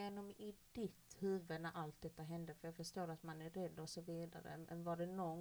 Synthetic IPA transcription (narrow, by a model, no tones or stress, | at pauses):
eːnɔmɪd̪ɪt̪hʉ̟ːvənæɾʔalt̪̚d̪ɛt̪ːaɦɛnd̪əfœjɑːɡfœʂt̪oːɾat̪manæɾɛd̪ːɔsɔviːd̪a̰ɾə̰mʔɛ̰nvaɖɛnɔn